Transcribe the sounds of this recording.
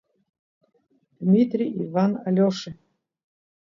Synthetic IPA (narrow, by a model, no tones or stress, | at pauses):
d̪̥mʲit̪ɾʲiivanalʲoʂɨ